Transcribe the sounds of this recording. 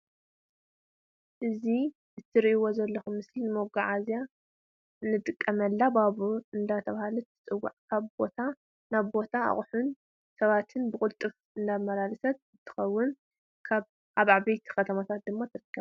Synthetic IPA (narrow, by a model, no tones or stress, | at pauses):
ʔɨzi | ɨt̪ʰːɨɾiiwo̞zɐlːɐxumɨslinɨmoɡaʕazja | nːɨt̪ʼɨkʼːɐmɐlːabaβuɨnd̪at̪ʰɐβahalut̪ʰɨ̥t͡sʼɨwːa̰ʕkʰaβbo̞t̪ʰa | naβbo̞t̪ʰaa̰χʼħun | sɐβat̪ʰɨnbɨkʼʊlt̪ʼɨf | ɨnd̪amɐlalɨsɐt̪̚ɨt̪ʰːɨ̥xɐwːʊn | kʰaβ | ʔaβaʕbejt̪ʰi̥xɐt̪ʰɐmat̪ʰat̪̚d̪ɨmːat̪ʰɨɾɨkʰːɐβ